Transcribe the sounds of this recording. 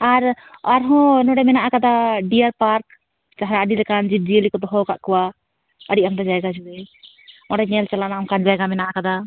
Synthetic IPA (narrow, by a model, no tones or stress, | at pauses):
aɾaɾɦɔ̃nɔɖɛmɛnaʔakad̪aɖijaɾpaɾk̚ | t͡ʃaɦɾaəɖilɛkand͡ʒid͡ʒielikɔd̪ɔɦɔkaʔkɔwa | əɽiʔamd̪ɔd͡ʒajɡad͡ʒuɛ | ɔɽaɲɛlt͡ʃalanaːmkand͡ʒajɡamɛnaʔakad̪a